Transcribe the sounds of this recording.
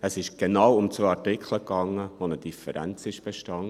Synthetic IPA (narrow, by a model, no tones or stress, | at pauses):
əsɪʃɡ̥enɑwʊmt͡sʋœɑɹtɪkχləkɑŋːəvonəd̥ifəɾæ̰nt͡sɪʃb̥eʃtɑn